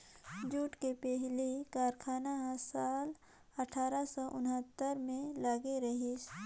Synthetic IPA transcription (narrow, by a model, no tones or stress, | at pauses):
d͡ʒuːʈkepɛɦlikaːɾkʰaːnaɦsaːl | ɐʈʰaːɾasɔʔʊnɦət̪ːəɾmẽlaːɡeɾɐɦis